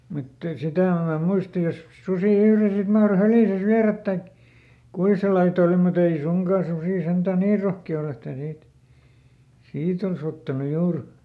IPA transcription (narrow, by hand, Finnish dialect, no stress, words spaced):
mut sitæˑ em mɑ muistɑ jos susiˑ yhre sit mɑhro hæriˑsæs ʋiæræt tɑik kui sel lɑit ol mut ei suŋkɑˑ susiˑ sentæˑ niː rohkiɑ ol etːæ niːt siːt ols otːɑnu juːr